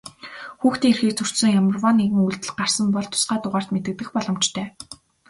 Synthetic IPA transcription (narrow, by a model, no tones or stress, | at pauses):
xuːxt̪iːŋerxiːk̚t͡sʰɵr̥sɵ̆ŋjamə̆rwɔnːeɣɘ̆ŋuɮt̪ɘ̆ɮɢar̥sə̆mpɔɮt̪ʰːʊ̥sɢaːt̪ʊʁaːr̥t̪met̪ɘ̆k̚t̪ɘ̆xpɔɮɞ̆m̥t͡ɕt̪ʰœː